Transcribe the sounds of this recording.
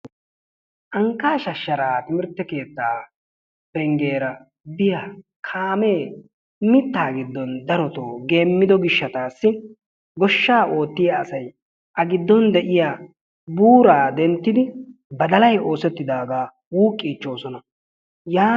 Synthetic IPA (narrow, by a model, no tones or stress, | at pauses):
ʔɐŋkːaːʃɐʃːɐɾaːt̪ɪmɪɾt̪ːɛke̞ːt̪ːaː | bɛŋɡe̞ːɾɐ | bɪjaːkʰaːme̞ː | mɪt̪ːaːɡɪd̪ːɔnd̪ɐɾɔt̪oːɡe̞ːmːɪd̪ɔɡɪʃːɐt̪aːsːɪ | ɡɔʃːaːʔo̞ːt̪ːɪjaːsɐj | ʔɐɡɪd̪ːɔnd̪ɛʔɪjaː | buːɾaːd̪ɛnt̪ːɪd̪ɪbɐd̪ɐlɐjo̞ːsɛt̪ːɪd̪aːɡaː | wuːkʼːiːt͡ʃːo̞ːsɔnɐ | jaː